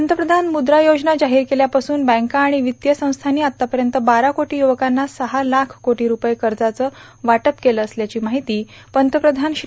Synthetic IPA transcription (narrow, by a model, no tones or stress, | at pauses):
ənt̪əpɾəd̪ʱanmud̪ɾajod͡ʑnad͡ʑaɦiːɾkeljapasuːnbæ̃ŋkaːɽ̃iʋit̪jəsə̃w̃st̪ʰaniːat̪ːapəɾjənt̪əbaɾakoʈiːjuʋəkanːasəɦalakʰkoʈiːɾupəjkəɾd͡zat͡səː | ʋaʈəpkeləːsljat͡ɕiːmaɦit̪iː | pənt̪əpɾəd̪ʱanɕ